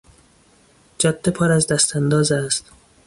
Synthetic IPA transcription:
d͡ʒɒd̪̥ːepʰɒːɾæzd̪æst̪ʰænd̪ɒːzæst̪

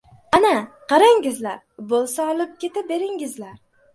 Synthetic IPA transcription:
ana | qɑɾaŋɡʲɪzlaɾ | bolˠsaɒlˠɪp̚kʲe̞t̪ɪp̚be̞ɾɪŋɪzlaɾ

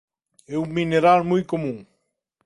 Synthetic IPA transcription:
ɛuŋmːineɾalmujkomũŋ

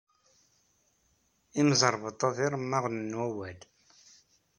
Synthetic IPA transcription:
imzˤəɾˤvət̪ˤːoðiɾˤmːaʁnənwæwæl

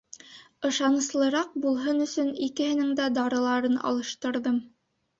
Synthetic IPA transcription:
ɤ̆ʃɑnɤ̆slˠɤ̆ɾɑq̚bulˠɦɤnɵ̆sɵnikɘ̆hɘ̆nɘŋd̪æd̪ɑɾɤ̆lˠɑɾɤnɑ̰lˠɤ̆ʃt̪ɤ̆ɾðɤm

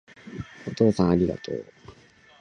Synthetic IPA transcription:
ot̪o̞ːsãɰ̃aɾʲiɡa̰t̪o̰ː

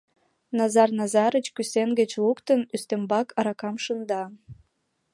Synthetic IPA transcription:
nɑzɑrnɑzɑɾət͡ɕkysenɡət͡ɕlukt̪ənyst̪embɑkʰɑɾɑkɑmʃənd̪ɑ

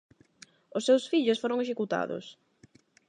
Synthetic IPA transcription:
ʊsːewsfiʎʊsfoɾʊŋeʃekut̪a̰ðʊ̰s

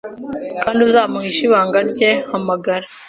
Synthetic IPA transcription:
kaːndiuzaːmuhiʃiβaːŋɡaɾɟe̞hamaɡaɾa

